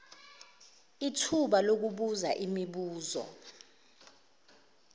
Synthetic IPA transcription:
itʰuɓalok̬uɓuza̰ʔimiɓuːzɔ̰

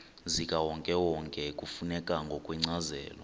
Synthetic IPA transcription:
zikʼawɔŋkʼɛwɔŋkʼɛkʼufunɛkʼaŋɡʱɔkʼwɛŋ͡ǀazɛːlɔ

